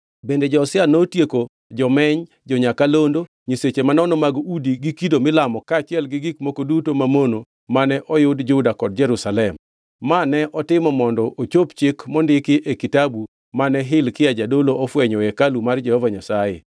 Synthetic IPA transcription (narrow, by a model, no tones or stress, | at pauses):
bended͡ʒɔsɪanotjeko | d͡ʒɔmɛɲ | d͡ʒɔɲakalondo | ɲiset͡ʃemanɔnomaɡudiɡikidomɪlamɔkaːt͡ʃɪɛlɡɪɡikmokodutomamono | manɛʔɔjʊdd͡ʒʊdakɔd̚d͡ʒɛɾusalɛmː | anɛʔɔtɪmɔmɔndɔʔot͡ʃopt͡ʃɪkmɔndɪkɪʔekitabu | manɛɦɪlkɪjad͡ʒadoloʔɔfwɛɲɔɛkalumard͡ʒɛhɔvaɲasajḛ